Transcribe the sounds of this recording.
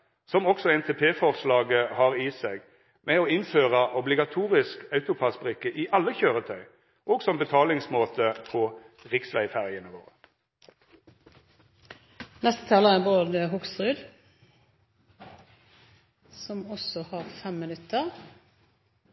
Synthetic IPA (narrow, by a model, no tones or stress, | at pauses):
sɔmɔksɔɛnt̪ʰeːpʰeːfɔʁʂlɑːɡəhɑːʁiːseːɡ | mɛoːɪnføːʁɑʔɔblɪɡɑt̪ʰuːʁɪskœʉt̪ʊpʰɑsbʁɪkːəʔɪʔɑlːəçøːʁət̪ʰœʏ | ʔoːɡsɔmbət̪ʰɑːlɪŋsmoːt̪ʰəpʰɔ | ʁɪksʋæɪfæʁjənəʋo̰ːʁə | nɛst̪ə̥t̪ʰɑːləɛboːd̪əɦʊksʁʉd̪ | sɔmɔsɔhɑʁfɛmːɪnʉt̪ːəʁ